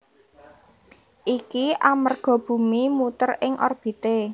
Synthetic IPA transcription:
ʔikiʔamərɡ̥ɔ̤b̥ṳmimut̪ərɪŋʔɔ̰rb̥i̤t̪e

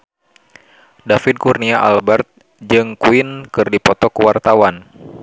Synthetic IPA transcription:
dafid̪̚kurniaʔa̰lbɛrt̪̚ | d͡ʒɨŋkuinkɨrdipɔt̪ɔkuwart̪awan

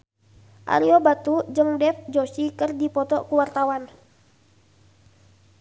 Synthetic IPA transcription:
ʔa̰ɾiɔbat̪ud͡ʒɨŋdɛfd͡ʒosikərdipɔt̪ɔkuwart̪awan

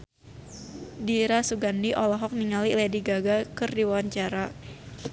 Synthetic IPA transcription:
diɾasuɡandiʔɔlɔɦɔk̚niŋalilɛdiɡaɡakɨrdiwaɲt͡ʃaɾa

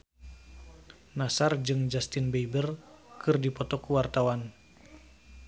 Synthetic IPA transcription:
nasard͡ʒɨŋd͡ʒast̪inbeibərkʰɨrdipɔt̪ɔkuwart̪awan

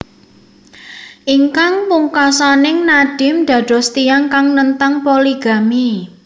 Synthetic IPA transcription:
ʔiŋkaŋpuŋkasanɪŋnaɖ̥ɪ̤md̪̥ä̤d̪̥ɔ̤st̪ijaŋkaŋnənt̪aŋpoliɡ̥a̤mi

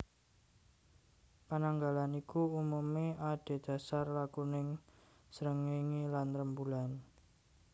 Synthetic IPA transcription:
panaŋɡalanikuumumiad̥e̤d̥a̤sarlakunɪŋ | səɾəŋiŋilanɾəmbulan

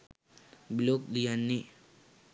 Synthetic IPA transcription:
bilok̚dijanːi

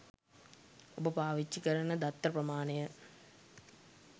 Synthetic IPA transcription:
obɐpaːʋit͡ʃːikɐɾɐnɐd̪ɐt̪ːɐprɐmaːnejə

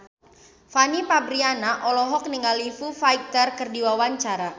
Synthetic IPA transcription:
fanipabɾianaʔɔlɔɦɔk̚niŋɡalifufajt̪ərkɨrdiwawaɲt͡ʃaɾa

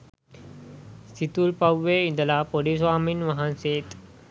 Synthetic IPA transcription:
st̪ʰit̪uːlpawːeind̪lapoɽisʋaminʋəɦanset̪

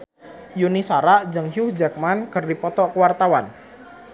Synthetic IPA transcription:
junisaɾaʔd͡ʒəŋɦuhd͡ʒak̚mankərdipɔt̪ɔʔkəwart̪awan

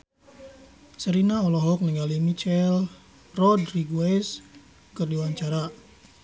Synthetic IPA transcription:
səɾinaɔlɔɦɔk̚nəŋɡalimit͡ʃɛl | rɔdriɡuɛs | kərdiwaɲt͡ʃaɾa

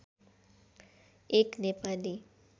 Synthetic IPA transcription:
eknepali

